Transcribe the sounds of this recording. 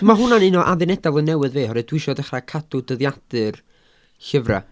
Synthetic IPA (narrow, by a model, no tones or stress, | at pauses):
maɦʊnanɪnɔʔaðɨnɛdavoːnɛwɨðveːhɔɾɨdwɪʃɔdəχrakʰadʊdəðjad̥ɨr | ɬəvra̰